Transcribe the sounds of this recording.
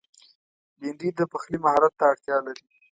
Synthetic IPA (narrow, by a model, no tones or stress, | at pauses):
ɡiɳɖid̪əpaxlimahɑɾat̪ːaːɽt̪jɑlaɾi